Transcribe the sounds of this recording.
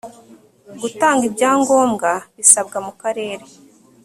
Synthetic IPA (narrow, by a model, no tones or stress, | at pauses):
ɡutaːŋɡibɟaːŋɡo̞ːmɡaβisab̚ɡamukaɾe̞ːɾe̞